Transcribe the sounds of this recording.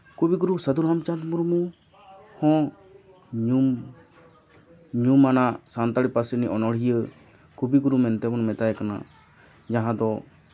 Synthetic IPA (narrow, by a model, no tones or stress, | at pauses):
kubiɡuɾusəd̪uɾɦamt͡ʃat̪muɾmu | hɔ̃ | ɲum | ɲumanaʔsant̪aɽipasəniʔɔnɔɽɦijə | kubiɡuɾumɛnt̪ɛbɔnmɛt̪ajkana̰ | d͡ʒaɦãd̪ɔ